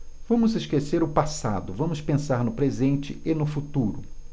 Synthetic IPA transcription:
v̥ɐ̃mʊzɪʃkeseɾʊpasa̰d̪ʊvɐ̃mʊspẽsaɾnʊpɾezẽnt͡ʃɪenʊfut̪uɾʊ

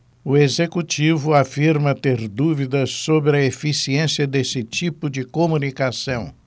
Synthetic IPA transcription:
ʊezekut͡ʃivʊafiɾmɐt̪eɾd̪uvid̪ɐsːobɾɪɐefisiẽsiɐd̪esɪt͡ʃipʊd͡ʒɪkomũnikasɐ̃w̃

